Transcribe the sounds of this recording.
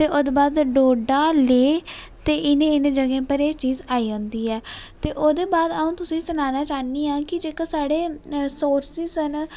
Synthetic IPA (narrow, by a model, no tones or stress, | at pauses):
t̪eːʔʊd̪baːd̪ɖoːɖaːleː | t̪eːʔɪnẽːɪnẽːd͡ʒəɡẽːpəɾeːt͡ʃiːzaːiːõːnd̪iːɛːt̪eːʔoːd̪eːbaːd̪əũːt̪ʊsĩːsənaːnaːt͡ʃaːniːãːkɪd͡ʒeːkasaːɽeːsoːɾsizən